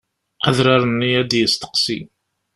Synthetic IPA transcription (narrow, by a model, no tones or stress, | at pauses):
æðɾɑɾˤənːiæd̪jəst̪ə̥qsḭ